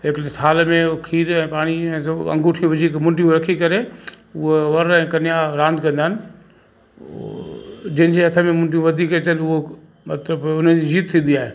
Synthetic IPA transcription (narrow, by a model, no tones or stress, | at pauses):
ɦɪkt̪ʰaːlmẽkʰiːɾɛ̃ːpaːɽ̃iɛ̃ːsɐ̰̃ŋɡuːʈʰijũʋɪd͡ʑʱikmʊ̃ɳʈijũɾɐkʰikɐɾe | ʊɦoʋɐɾɛ̃ːkɐnijaɾãːnd̪kɐ̃nd̪aːnɪ̆ | d͡ʑɐɦɪ̃d͡ʑeɦɐt̪ʰəmẽmʊ̃ɳʈijũʋɐd̪ʱiːkɛt͡ɕəlʊɦo | mɐt̪ləbʊn̤əd͡ʑid͡ʑiːt̪̚t̪ʰːĩːnd̪iaːɦḛː